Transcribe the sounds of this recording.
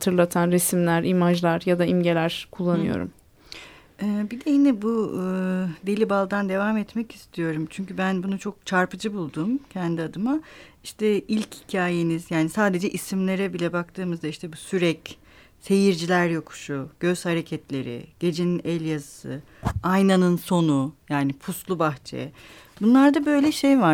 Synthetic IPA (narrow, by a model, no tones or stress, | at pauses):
hat̪ʰɯɾlˠat̪ʰanɾesimlʲæɾimaʒlˠaɾjad̪aimɟe̞lʲæɾ̥kʰulˠːanɯ̰jo̞̰ɾṵm | ɛːbid̪ɛjinɛbu | d̪elʲibalˠd̪and̪e̞vamɛt̪mɛci̥st̪ʰijo̞ɾumt͡ʃʰyɲcybænbunut͡ʃʰo̞k̚t͡ʃʰaɾpɯd͡ʒɯbulˠd̪umcʰɛnd̪iad̪ɯmaiʃt̪ʰɛilʲchicʰaːjenizjaːnisaːd̪e̞d͡ʒɛʔisimlʲe̞ɾɛbilʲɛbakt̪ʰɯːmɯzd̪aiʃt̪ʰɛbusyɾɛc | se̞jiɾd͡ʒilʲæɾjokʰu̥ʃuɟ̥ø̞z̥haɾe̞cʰɛt̪lʲe̞̰ɾɪ̰ɟ̥e̞d͡ʒeninɛlʲjazɯsɯ̰ | ajnanɯnso̞nujaːnipʰuslˠubaxt͡ʃʰḛɛbunlˠaɾd̪abø̞jlʲɛʃe̞jva